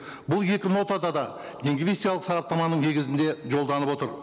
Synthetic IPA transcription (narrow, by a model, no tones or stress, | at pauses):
bʊlˠje̞kʲɪno̞t̪ɑd̪ɑd̪ɑ | d̪eŋɡvʲest̪ijɑlˠəqsɑɾɑp̚t̪ɑmɑnəɴne̞ɡʲɪzɪnd̪e̞ʒo̞lˠd̪ɑnəpwo̞t̪əɾ